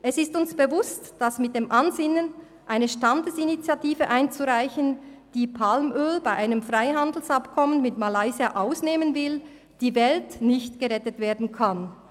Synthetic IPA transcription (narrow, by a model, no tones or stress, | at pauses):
ʔɛsɪstʊnsb̥əvʊstd̥asmɪt̚d̥eːmʔanzɪnən | ʔaɪnəʃtandəsinit͡sjatiːvəʔaɪnt͡suʁaɪçənd̥iːpʰalmʔøːlbaɪʔaɪnəmfʁaɪɦandl̩sapkʰɔmənmɪtmalaɪziaʔaʊsneːmənvɪl | d̥iːvɛltnɪçtɡ̥əʁɛtətv̥eːɐdn̩kʰan